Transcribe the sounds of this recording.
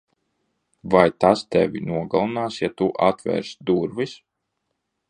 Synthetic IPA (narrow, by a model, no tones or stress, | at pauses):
vajt̪ast̪ɛvinuɔɡalˠunaːsjat̪uʔa̰t̪vʲɛ̰ːɾsd̪uɾvis